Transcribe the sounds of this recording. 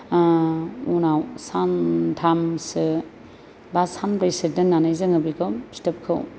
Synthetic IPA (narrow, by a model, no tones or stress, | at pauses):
unawsantʰamsɯ | basanpɾesidenːanajzɯŋɯbikʰowstɐp̚kʰɯw